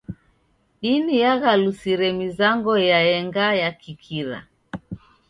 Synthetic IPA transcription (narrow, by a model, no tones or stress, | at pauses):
ɗinijaɣalusiɾɛmizaŋɡɔjaɛŋɡajakikʰiɾa̰